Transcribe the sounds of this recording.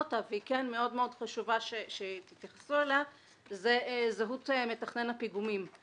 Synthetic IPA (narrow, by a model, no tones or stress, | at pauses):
t̪aveikenme̞o̞d̪meo̞dχaʃuvaʃeʃet̪it̪jaχḁsuela | zezeɦut̪me̞taχne̞napiɡumim